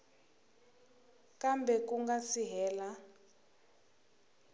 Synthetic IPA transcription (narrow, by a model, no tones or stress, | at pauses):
kambɛk̬uŋɡasiɦɛːla